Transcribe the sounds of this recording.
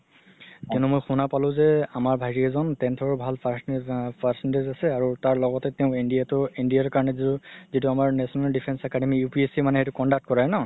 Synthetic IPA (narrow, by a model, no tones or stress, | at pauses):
kɛ̃numojxunapalʊ̃zɛamaɹbʱajɹiɛzɔntɛntʰɔɹbʱalpʰaspʰasindezasɛaɹutaɹlɔɡɔtɛtɛʊ̃indijatʊindijaɹkaɹɔnɛzituzituamaɹnɛsɔnaldipʰɛnsɛkademijupiesimanɛɦejtukɔndak̚t̚kɔɹajnɔ